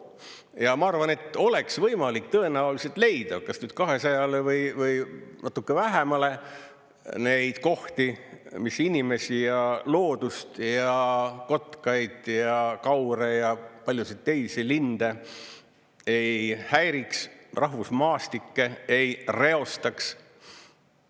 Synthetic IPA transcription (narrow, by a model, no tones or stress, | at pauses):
jɑmɑɑrvɑne̞t̪ːˑo̞le̞ksvɤjmɑlik̚t̪ɤ̞e̞næulise̞lt̪le̞jd̪̥ɑkɑsnyːd̪̥̚kɑɦe̞sɑjɑlevɤjvɯjnɑt̪ːˑukːevæɦemɑle̞ | ne̞jd̪̥ko̞ht̪imisinʲime̞sijɑlo̞ːd̪̥ust̪jɑko̞t̪kɑjd̪̥jɑkɑwɾejɑpɑlʲjusid̪t̪ːe̞jsilind̪̥e | e̞jhæjɾiksrʔɑɦvusmɑːst̪ikːe̞e̞jre̞o̞st̪ɑks